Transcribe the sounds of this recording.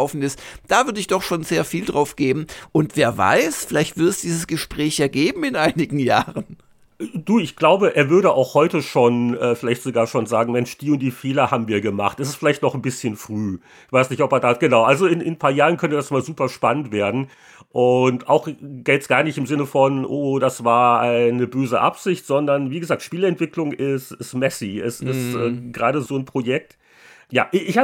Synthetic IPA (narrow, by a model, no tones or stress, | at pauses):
ʊfn̩ɪstd̥aːvʏɐdəɪçd̥ɔχʃoːnzeːɐfiːldʁaʊfɡ̥eːbm̩ʔʊntv̥eːɐva̰ɪsfɪlaɪçtv̥ɪɐtɛsd̥iːzəsɡ̥əʃpʁ̥ɛːçjaːɡeːbm̩ɪnʔaɪnɪɡŋ̩jaːʁən | d̥uːɪçɡ̥laʊbəʔeːɐvʏɐɾəʔaʊxhɔʏtəʃoːnʔɛːfɪlaɪçtz̥oɡaːɐʃoːnzaːɡŋ̩mɛnʃd̥iːʊnt̚d̥iːfeːlɐhaːbm̩viːɐɡəma̰χtɛsɪstfɪlaɪçtnɔχn̩bɪsçənfʁ̥yː | ɪçv̥aɪsnɪçtɔpeːɐdaːɡ̥ənaʊʔalzoɪnɪnpʰaːɐjaːʁənkʰœntəd̥asɪmazuːpɐʃpanəntv̥eːɐdn̩ | ʔʊnta̰ʊxɡ̥ɛːtsɡ̥aːɐnɪçtɪmzɪnəfɔnʔoːd̥asv̥aːɐʔaɪnəbøːzəʔa̰pz̥ɪçtz̥ɔndɐnviːɡəzaːk̚tʃpiːləɛntv̥ɪklʊŋɪstɪstmɛsiɛsɪstʔɛːɡʁaːɾəzoːnpʁ̥ojɛk̚t | ja̰ːʔɪça